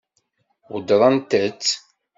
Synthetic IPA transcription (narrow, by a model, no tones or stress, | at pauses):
wəd̪ɾˤɑnt̪ət͡sː